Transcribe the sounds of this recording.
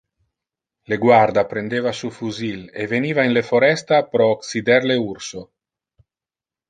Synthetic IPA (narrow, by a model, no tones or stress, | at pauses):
leɡwaɾd̪apɾend̪evasufuzilḛvenivainlefoɾɛst̪apɾɔːksid̪ɛɾleuɾso